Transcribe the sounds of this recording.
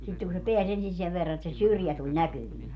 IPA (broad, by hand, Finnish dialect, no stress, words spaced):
sitːeŋ ku se peæs ensin seʋ ʋerːɑ et se syrjæ tulʲ nækyʋiː